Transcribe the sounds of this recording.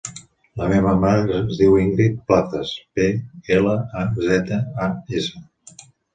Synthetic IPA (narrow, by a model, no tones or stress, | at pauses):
ləmeβəmazðiwiŋɡɾit̪̚plaθəspeeləazɛt̪əaesə